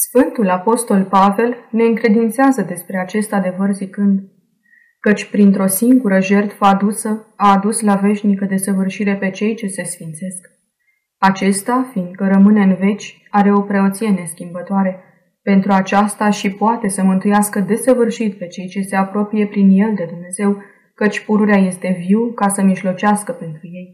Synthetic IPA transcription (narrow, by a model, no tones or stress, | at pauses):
sfɨnt̪ulapo̞st̪o̞lpave̞lne̞ɨŋkɾe̞d̪int̪seazəd̪e̞spɾe̞at͡ʃe̞st̪ad̪e̞vərzikɨnd̪ | kət͡ʃʲpɾint̪ɾo̞siŋɡuɾəʒe̞rt̪fəad̪usəaːd̪uslave̞ʃnikəd̪e̞səvɨrʃiɾe̞pe̞t͡ʃe̞jt͡ʃe̞se̞sfint̪se̞sk | at͡ʃe̞st̪afind̪̚kəɾəmɨne̞ɨnve̞t͡ʃʲ | aɾe̞o̞pɾe̞o̞t̪sije̞ne̞skʲimbət̪oaɾe̞ | pe̞nt̪ɾuat͡ʃast̪aʃipoat̪e̞səmɨnt̪ujaskəd̪e̞səvɨrʃit̪̚pe̞t͡ʃe̞jt͡ʃe̞se̞apɾo̞pije̞pɾinje̞ld̪e̞d̪umne̞ze̞w | kət͡ʃʲpuɾuɾeaje̞st̪e̞viwkasəmiʒlo̞t͡ʃaskəpe̞nt̪ɾuje̞j